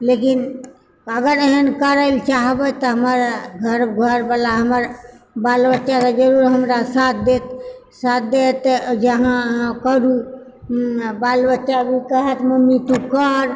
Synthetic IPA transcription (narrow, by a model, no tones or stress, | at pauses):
lekin | əɡəɾeɦənkəɾəɪlt͡ʃaɦbət̪ɔɦəməɾɡʱəɾbɡʱəɾbəlaɦəməɾ | balbətːt͡ʃasad͡ʒəɾuɾɦəmɾasat̪ʰd̪et̪ | sat̪̚ʰd̪et̪d͡ʒəɦãɦãkəɾu | balbətːt͡ʃabʱikəɦət̪məmːit̪ukəɾ